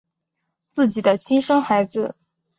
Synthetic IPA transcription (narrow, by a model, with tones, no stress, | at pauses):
t͡sɹ̩˥˩t͡ɕi˨˩d̪ə˦t͡ɕʰi˥nʂɤ˥ŋxa˧˥ɪd͡zɹ̩˧